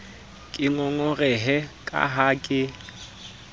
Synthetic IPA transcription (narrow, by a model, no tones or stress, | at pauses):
kʼɪŋɔŋɔrɛɦɛkʼa̰ɦakʼɪ